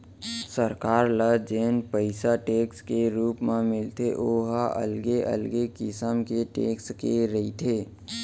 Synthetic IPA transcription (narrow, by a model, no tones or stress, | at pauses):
səɾkaːɾləd͡ʒeːnpəɪsaʈeːkskeɾuːpmẽmɪlt̪eʔoːɦaʔə̰lɡeʔə̰lɡekɪsəmkeʈeːkskeɾəit̪ʰeː